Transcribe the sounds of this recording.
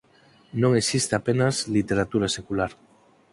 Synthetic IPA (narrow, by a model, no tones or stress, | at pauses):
nõŋesist̪eapenazlit̪eɾat̪uɾasekulaɾ